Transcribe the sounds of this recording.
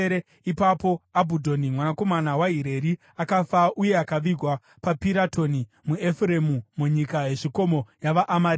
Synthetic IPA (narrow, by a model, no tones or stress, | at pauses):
ɾe | ipapo̞abʱudʱo̞nimwanako̞manawaɦiɾe̞ɾi | akafauje̞akaʋiɡʱwa | papiɾatʰo̞nimuefuɾe̞mumuɲikaɦe̞ʐiko̞mo̞jaʋaʔːmaɾ